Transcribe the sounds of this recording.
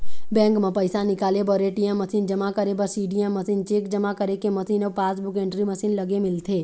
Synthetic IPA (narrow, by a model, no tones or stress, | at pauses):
bɛ̃ːŋkmẽpɐɪsanɪkaːlebɔɾeːʈijãmːɐsiːnd͡ʒɐmakəɾebəɾsiːɖijãmːɐsiːnt͡ʃeːkd͡ʒɐmakəɾekemɐsiːnopaːsbʊkẽːɳʈɾimɐsiːnlɐɡemɪlt̪ʰeː